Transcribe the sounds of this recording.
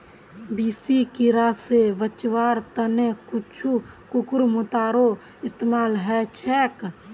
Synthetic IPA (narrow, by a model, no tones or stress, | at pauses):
biːsikiɾasebət͡ʃʋaːɾt̪ənekʊt͡ʃʰu | kʊkʊɾmʊt̪aːɾo | ɪst̪eːmaːlɦɛt͡ʃʰɛːk